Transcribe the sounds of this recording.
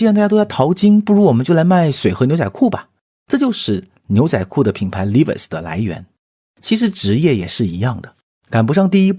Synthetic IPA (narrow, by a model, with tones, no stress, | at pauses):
i˥˧ɻt̪a˥˩ja˥la˥ɪt̪ʰɑ˧˥ʊt͡ɕi˥ŋpu˥˩ɻu˧˥wɔ˨˩mə˦nt͡ɕjo˥˩ʊla˧˥ɪma˥˩ɪswe˨˩ɪxɤ˧˥njo˧˥ʊt͡sa˨˩kʰu˥˩bɐ˩ | ʈ͡ʂɤ˥˧t͡ɕjo˥˧ʊʂɻ̩˥˩ | njo˧˥ʊt͡sa̰˨˩ɪkʰu˥˩d̪ə˩pʰi˨˩npʰa˧˥ɪli˥və̰˨˩sd̪ə˨la̰˧˥ɪɥɛ̰˧˥n | t͡ɕʰi˧˥ʂ̬ɻ̩˧˥ʈ͡ʂɻ̩˧˥jɛ˥˩jɛ˨˩ʂɻ̩˥˩i˧˥jɑ˥˩ŋd̪ə˩ | ka˨˩npu˧˥ʂɑ˥˧ŋt̪̬i˥˧i˥p